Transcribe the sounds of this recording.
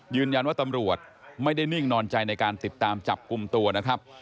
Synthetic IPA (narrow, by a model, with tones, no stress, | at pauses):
jɯː˧nja˧nwaː˥˩t̪a˧mɾu˨˩ət̪̚ma˥˩jda˥˩jni˥˩ŋnɔː˧nt͡ɕa˧jna˧jkaː˧nt̪i˨˩t̪ːaː˧mt͡ɕa˨˩p̚ku˧mt̪u˧ɐna˦˥kʰɾa˦˥p̚